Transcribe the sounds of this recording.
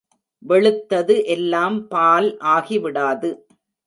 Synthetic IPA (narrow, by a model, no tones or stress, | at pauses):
ʋɛɭɯt̪ːɐðɯʔɛlːaːmpaːlʔaːɣiʋɪɽaːðɯ